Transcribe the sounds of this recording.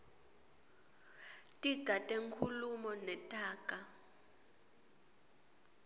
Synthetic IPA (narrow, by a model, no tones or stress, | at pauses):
tʼiɡ̥ʱatʼeŋkʰulumɔnɛtʼaːkʼa